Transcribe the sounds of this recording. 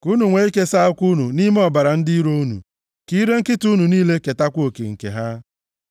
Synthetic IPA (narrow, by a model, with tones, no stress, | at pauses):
ku˦nu˨ŋʷe˨i˦ke˦sa˦ʊ˦kʷu˦nu˨ni˦me˦ɔ˨ba˨ɾa˨n̩˦di˦i˦ɾo˦u˦nṵ˨ | ki˦ɾe˦ŋ̩˦kɪ˦tu˦nu˨niː˦le˦ke˨ta˦kʷo˨kḛ˨ŋ̩˨kḛ˨ɦa˦